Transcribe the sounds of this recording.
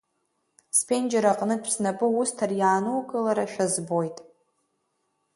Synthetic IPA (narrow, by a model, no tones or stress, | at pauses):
spʰend͡ʒeɾaqʼnɨpʷʰsnapʼɨustʰarjaːnɨwkʼɨlaɾaʃᶣazbo̞jtʼ